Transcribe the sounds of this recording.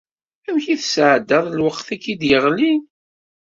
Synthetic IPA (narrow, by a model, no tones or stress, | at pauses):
æwçiθsʕd̪ːəðˤlwəqθækːid̪jəʁlin